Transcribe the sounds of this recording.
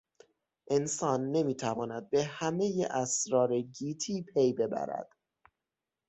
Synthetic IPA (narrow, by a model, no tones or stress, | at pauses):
ʔensɒːnːe̞miːt̪ʰævɒːnæd̪̚be̞hæme̞jeʔæsɾɒːɾeɟiːt̪ʰiːpʰejbe̞bæ̰ɾæ̰d̪̥